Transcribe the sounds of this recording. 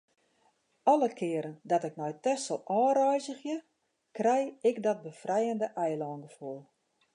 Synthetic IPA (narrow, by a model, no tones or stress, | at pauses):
ɔləkʰɪəɾəndɔtɪknɔjtɛsɔlˠʔɔːɾɔjzəxjə | krɛjɪkdɔt̚bəfrɛjəndəʔɛjlɔːnɡəfulˠ